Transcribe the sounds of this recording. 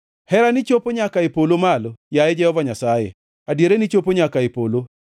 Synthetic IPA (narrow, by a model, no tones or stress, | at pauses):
hɛɾanit͡ʃopoɲakaɪpolomalojajed͡ʒɛhɔvaɲasajḛ | adjeɾenit͡ʃopoɲakaepolo